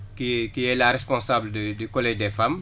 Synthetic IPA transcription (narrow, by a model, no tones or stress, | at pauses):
kikiɛlaɾɛspɔ̃nsaːblddykɔlɛːʒdɛfam